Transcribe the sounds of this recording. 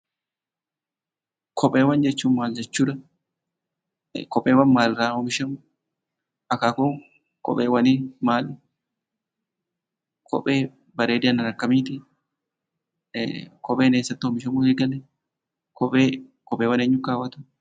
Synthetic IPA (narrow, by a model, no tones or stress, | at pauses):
kʰɔpʼːeːwɐnd͡ʒɛt͡ʃːuːnmaːld͡ʒɛt͡ʃːuːᶑ̪ɐ | kɔpʼːeːwɐnmaːlɾaːhɔmɪʃɛmʊ | ʔɐkaːkʊ | kɔ̰pʼeːwɐnimaːl | kʰɔ̰pʼeː | bɐɾeːd̪ɪɐnɐɾɐkːɐmiːt̪ɪ | kɔpʼeːneːsːɐt̪ːɪhɔmɪʃɛmʊeːɡɐlɛ | kʰɔpʼeːkɔpʼːeːwɐneːɲːʊkaːwɐt̪ʊ̥